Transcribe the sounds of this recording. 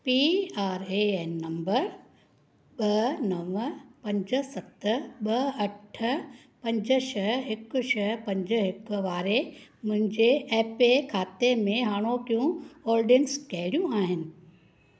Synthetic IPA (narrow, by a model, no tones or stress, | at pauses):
piːaːɾeeːnːɐ̃mbəɾ | ɓɐnɐʋpɐ̃ɲd͡ʑə̆sɐt̪ɓɐɐʈʰə̆ | pɐ̃ɲd͡ʑəʃɐɦɦɪkʊʃɐɦpɐ̃ɲd͡ʑəɦɪkʊʋaːɾemʊ̃ɦɪ̃ɲd͡ʑeɛːpekʰaːt̪emẽɦaːɽ̃okijũɔːɾɖɪnskɛɦɪɽijũaːɦɪnɪ̆